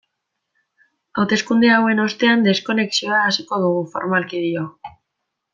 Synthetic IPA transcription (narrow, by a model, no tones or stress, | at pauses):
awt̪e̞skund̪eawe̞no̞st̪e̞and̪e̞sko̞ne̞ksio̞aːsiko̞ðuɣ̞ufo̞̰ɾmalkiðio̞